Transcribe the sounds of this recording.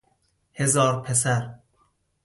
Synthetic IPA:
hezɒːɾpʰes̬æɾ

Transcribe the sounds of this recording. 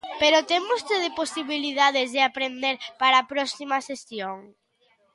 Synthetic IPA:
peɾot̪emost̪eðeposiβiliðaðɪzðɪapɾend̪eɾpaɾaːpɾɔsimɐsesjoŋ

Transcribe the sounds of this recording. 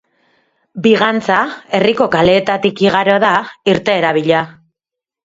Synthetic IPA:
biɣant͡sae̞riko̞kale̞ːt̪at̪ikiɣ̞aɾo̞ðaiɾt̪e̞ːɾaβiʎa

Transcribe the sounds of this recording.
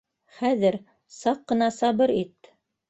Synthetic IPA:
χæðɘɾ | sɑqːɤ̆nɑsɑbɤɾit̪

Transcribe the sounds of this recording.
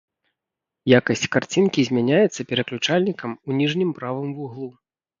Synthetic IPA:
jakɐsʲt͡sʲkart͡sʲinkʲizʲmʲanʲajɛt̪sːɐpʲɛɾɐklʲut͡ʂalʲnʲikɐmunʲiʐnʲimpɾavɨmvuɣlˠu

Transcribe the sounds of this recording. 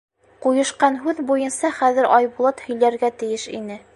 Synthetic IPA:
qujɤ̆ʃqɑnɦʉðbujɤ̆nsɑχæðɘɾɑjbulˠɑt̪hɵ̆jlæɾɡæt̪ɘ̆jɘʃḭnɘ

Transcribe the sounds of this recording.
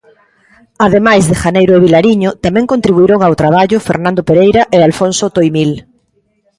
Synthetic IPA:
að̞emajzðexanejɾoeβ̞ilaɾiɲot̪amẽŋkont̪ɾiβuiɾoŋawt̪ɾaβ̞aʎofeɾnãnd̪opeɾejɾaʔealfonsot̪ojmil

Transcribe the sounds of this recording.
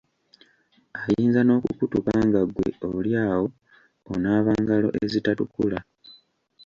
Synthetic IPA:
ajiːnzano̞ːkukutukaːŋɡaɡwe̞̰oljaːwo̞̰ː | naːβaːŋɡalo̞̰ʔeezitatukula

